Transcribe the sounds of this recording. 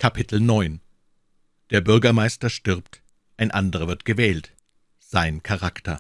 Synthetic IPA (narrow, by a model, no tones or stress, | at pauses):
kʰapʰɪtl̩nɔʏn | d̥eːɐbʏɐɡɐmaɪstɐʃtɪʁpt | ʔaɪnʔandəʁ̞ɐvɪɐtɡ̥əvɛːlt | z̥aɪnkʰaʁaktʰɐ